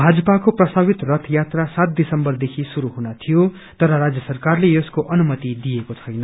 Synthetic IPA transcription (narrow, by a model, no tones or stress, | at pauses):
bʱad͡zʌpakoprʌst̪abit̪rʌt̪ʰjat̪rasat̪̚d̪isʌmbʌrd̪ekʰisuɾuɦunat̪ʰijo | t̪ʌɾʌɾad͡zjʌsʌrkarlejeskoʔʌnumʌt̪id̪ijekot͡sʰʌjnʌ